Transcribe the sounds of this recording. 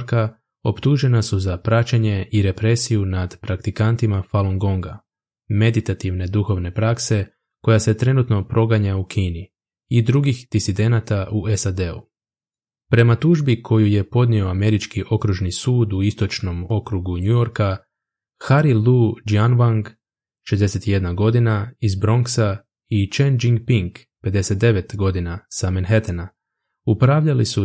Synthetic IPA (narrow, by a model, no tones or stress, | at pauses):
ɾka | o̞pt̪uʒe̞nasuzapɾat͡ɕeɲe̞iɾe̞pɾe̞sijunad̪pɾakt̪ikant̪imafalˠoŋɡo̞ŋɡa | me̞d̪it̪at̪iʋne̞d̪uxo̞ʋne̞pɾakse̞ | ko̞jase̞t̪ɾe̞nut̪no̞pɾo̞ɡaɲaukʰiːniː | d̪ɾuɡixd̪̥isid̪e̞nat̪aʔue̞sad̪e̞u | pɾe̞mat̪uʒbikʰo̞juje̞po̞d̪nio̞ame̞ɾit͡ʃkiʔo̞kɾuʒnisuːd̪uist̪o̞t͡ʃno̞mo̞kɾuɡuɲujo̞ɾka | xaɾilud͡ʒianʋaŋɡ | ʃezd̪e̞se̞t̪ije̞d̪naɡo̞d̪inaizbɾo̞ŋksa | it͡ʃend͡ʒiŋɡpiŋk | pe̞d̪e̞set̪̚d̪e̞ʋe̞t̪ɡo̞d̪inasamenxet̪ena | upɾaʋʎalisu